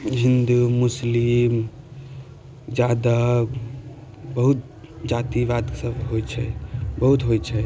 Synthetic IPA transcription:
ɦind̪umuslim | d͡ʒjad̪a | bəɦut̪ | d͡ʒat̪iʋad̪ke̥səbɦojt͡ʃʰɛbəɦut̪ɦojt͡ʃʰɛ

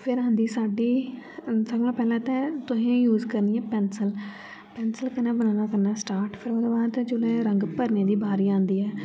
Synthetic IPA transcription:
pʰɪɾɦãːnd̪iːsaːɖiː | səɡnãːpɛːlãːt̪ɛ̃ːt̪ʊɦẽːjuːzkəɾniɛ̃ːpɛːnsəl | pɛːnsəlkənãːbənaːnaːkəɾnaːsʈaːɾʈpʰɪɾoːd̪õːbaːd̪t͡ʃʊlẽːɾə̃ŋɡpəɾneːd̪iːbaːɾiːãːnd̪iːɛː

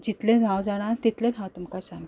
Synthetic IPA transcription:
d͡ʑit̪lenʱawd͡zaɽ̃at̪it̪lẽd̪ʱãwt̪umkasãŋɡ

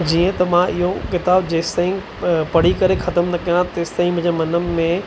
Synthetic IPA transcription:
d͡ʑiːə̃t̪ɐmãɪɦokɪt̪aːbd͡ʑeːst̪ãɪ̃ŋɡ | pɐɽ̤ikɐɾexʰɐt̪əmnɐkijãt̪eːst̪ãɪ̃ŋɡmʊ̃ɲd͡ʑemɐnəmːẽ

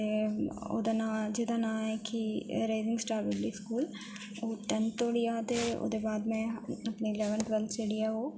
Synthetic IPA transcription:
eo̰ːd̪anad͡ʒed̪anãːɛkiɾeːzɪŋɡsʈaːɾbɪbɖiːskuːl | oːʈɛnt̪oːɽiaːd̪eo̰ːd̪ebaːd̪mɛ̃ɐpniɪlɛːʋəɳʈʋəlseːɽijaɦoː

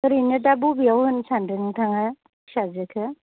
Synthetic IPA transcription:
ɯɾinɯdabubijawhɯnsandɯnɯŋtʰaŋaj | sazekʰɯ

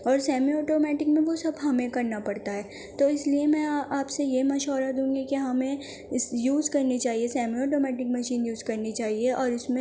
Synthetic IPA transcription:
ɔːɾsɛːmiɔːʈoːmɛːʈɪkmẽʋosɐbɦɐmẽkɐɾnapɐɽt̪aɦɛː | t̪oːɪsliemɛ̃aːpsejemɐʃɔːɾad̪ũːŋɡikiɦɐmẽ | sjuːzkɐɾnit͡ʃaːɦiesɛːmiɔːʈoːmɛːʈɪkməʃiːnjuːzkɐɾnit͡ʃaːɦieʔɔːɾʊsmẽ

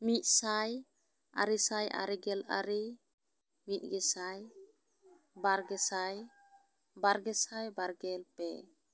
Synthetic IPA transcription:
mit̪̚saj | a̰ɾisajʔa̰ɾiɡɛla̰ɾi | mit̪̚ˀɡɛsaj | baɾɡɛsaj | baɾɡɛsajbaɾɡɛlpɛ

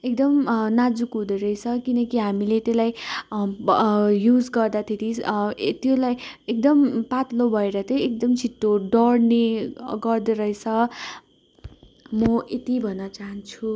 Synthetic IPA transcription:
ekd̪ʌmnad͡zukɦũd̪eɾʌjt͡sʰʌkinʌkiɦamilet̪elaj | jud͡zɡʌrd̪at̪ʰeɾit̪jolajek̚d̪ʌmpat̪lobʱʌeɾʌt̪ʰjʌek̚d̪ʌmt͡sʰit̪ːoɖʌɽneɡʌrd̪eɾʌjt͡sʰʌ | mʌʔet̪ibʱʌnːʌt͡saɦʌnt͡sʰu

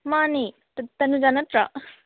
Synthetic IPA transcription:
mani | t̪ɐt̪ɐnud͡ʒanɐt̪ɾa

